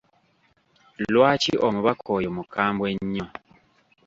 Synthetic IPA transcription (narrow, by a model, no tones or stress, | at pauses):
lwaːciʔomuβakʰojomukaːmbweɲːo